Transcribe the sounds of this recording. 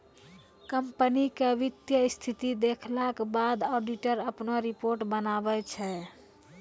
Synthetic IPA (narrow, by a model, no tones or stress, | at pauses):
kəmpənikeʋit̪jəst̪ʰit̪id̪ekʰlakbad̪ɔɖiʈəɾəpnoɾipoːɾʈbənabɛt͡ʃʰɛ